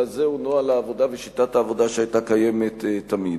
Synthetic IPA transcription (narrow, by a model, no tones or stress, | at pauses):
azeunoalaːvo̞daveʃit̪athaːvo̞daʃeajtakaje̞me̞t̪etːamid